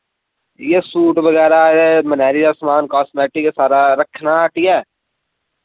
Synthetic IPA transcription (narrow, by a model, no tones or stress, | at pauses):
jesuːʈʋɐɣɛːɾaemənɛːɾiaːsmaːnkaːsmeːʈikesaːɾaɾəkʰnaʈiɛː